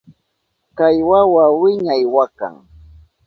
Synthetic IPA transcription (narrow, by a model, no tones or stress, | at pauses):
kajwawawɪɲajwaka̰ŋ